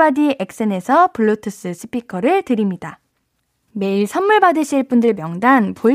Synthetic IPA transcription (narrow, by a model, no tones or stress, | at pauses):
adie̞k̚s͈ene̞sʰʌpɯɭːotʰɯs͈ɯsʰɯ̥pʰikʰʌɾɯɭtɯɾimɲida | me̞iɭsʰʌmːuɭbadɯɕʰiɭp͈undɯɭmjʌŋdanpo